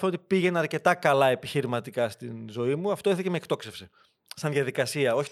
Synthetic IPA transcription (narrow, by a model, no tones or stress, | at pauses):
eot̪ipiʝe̞nɐɾce̞t̪ɐkɐlɐe̞piçiɾimɐt̪ikɐst̪inzo̞imuɐft̪oiɾθecemeːkt̪o̞kse̞fsi | sɐnðʝɐðikɐsiɐo̞çi